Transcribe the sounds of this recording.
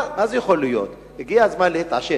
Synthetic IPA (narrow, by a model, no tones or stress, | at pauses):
mazɛjeχolujo̰t̪ | iɡijazmanlet̪a̰ʃe